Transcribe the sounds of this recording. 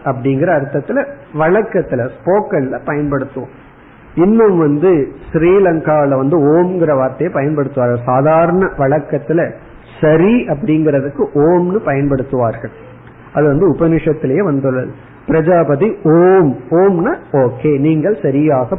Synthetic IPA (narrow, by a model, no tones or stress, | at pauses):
ɐp̬ːɐɽɪŋɡɪɾɐːɾɯt̪ːɐt̪ːɪlɐ | ʋɐɭɐkːɐt̪ːɪlɐspoːkɐnɪlɐpɐjɐnpɐɽɯt̪ːɯʋõ̰ː | ɪnːɯmʋɐnd̪ɯsɾiːlɐŋkaːlɐʋɐnd̪ɯoːmɡɪɾɐʋaːɾt̪ɐjɐpɐjɐnpɐɽɯt̪ːɯʋaːɾɣɐɭsaːðaːɾɐɳɐʋɐɭɐkːɐt̪ːɪlɐ | sɐɾiɐp̬ːɐɽɪŋɡɪɾɐðɯkːɯʔoːmnɯpɐjɐnpɐɽɯt̪ːɯʋaːɾɣɐɭ | ɐðɯʋɐnd̪ɯʊbɐnɪʂɐt̪ːɪlɐjeːʋɐnd̪ɯɭːɐðɯ | pɪɾɐd͡ʒaːbɐðioːmoːmnaːoːkːeːniːŋɡɐɭsɐɾɪjaːɣɐ